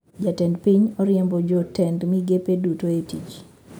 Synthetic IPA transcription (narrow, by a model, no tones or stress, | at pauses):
d͡ʒatɛndpiɲɔɾɪɛmbɔd͡ʒɔtɛndmiɡepedutoetit͡ʃ